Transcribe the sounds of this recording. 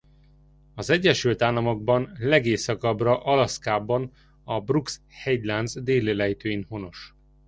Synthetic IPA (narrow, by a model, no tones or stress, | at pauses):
ɒzɛɟːɛʃylt̪aːlːɒmo̞ɡ̚bɒnlɛɡeːsɒkɒbrɒʔɒlɒskaːbɒn | ɒbruks | hɛɟlanzd̪eːleːlɛjit̪øːinho̞no̞ʃ